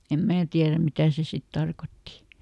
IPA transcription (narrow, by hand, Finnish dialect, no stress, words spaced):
em mæː tiæræm mitæˑ se sit tɑrkotːi